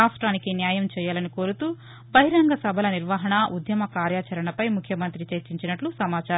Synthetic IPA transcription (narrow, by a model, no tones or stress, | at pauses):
aːsʈɾaːnikinjaːjɐmt͡ʃɛːjaːlɐnikoːɾut̪uː | bɐɦiɾɐŋɡɐsɐbʱɐlɐniɾʋaːɦɐɳɐʔud̪jɐmɐkaːɾjaːt͡ʃɐɾɐɳɐpɐjmukʰjɐmɐnt̪ɾit͡ʃɐɾt͡ʃiɲt͡ʃinɐʈlusɐmaːt͡ʃaːɾɐ